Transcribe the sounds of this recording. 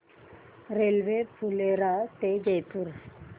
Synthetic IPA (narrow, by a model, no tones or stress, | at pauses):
ɾelʋepʰuleɾat̪ed͡ʒejpuɾ